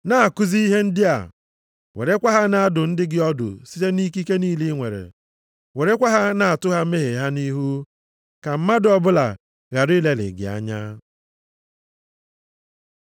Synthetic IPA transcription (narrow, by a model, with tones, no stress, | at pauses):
na˦˨a˨kʊ˦zi˦i˦ɦe˦n̩˦dɪ˦a̰˨ | wḛ˨ɾe˦kʷa˦ɦa˦na˦a˦dʊ˨n̩˦dɪ˦ɡɪ˦ɔ˦dʊ̰˨si̥˦te˦ni˦k̬i˦ke˦niː˦li˦ŋʷe˨ɾḛ˨ | we˨ɾe˦kʷa˦ɦa˦na˨a˨tʊ˦ɦa˦me˦ɦe˨ɦa˦ni˦ɦu˦ | ka˨m̩˦ma˦dɔ˦bʊ˦la̰˨ | ɣa˨ɾi˦le˨lɪ̰˨ɡɪ̰˨a̰˦ɲa̰˦